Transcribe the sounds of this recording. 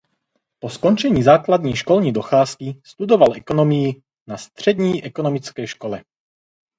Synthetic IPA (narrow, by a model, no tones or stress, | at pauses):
pɔskɔnt͡ʃɛɲiːzaːklad̪ɲiːʃkɔlɲiːd̪ɔxaːskist̪ud̪ovalɛkɔnɔmɪji | nast̪r̝̥ɛd̪ɲiːʔɛkɔnɔmit͡skɛːʃkɔlɛ